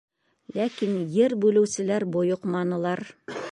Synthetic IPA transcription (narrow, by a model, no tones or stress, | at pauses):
lækinjɘɾbʉlɘ̆wsɘ̆læɾbŏjoqmɑnɤ̆lˠɑɾ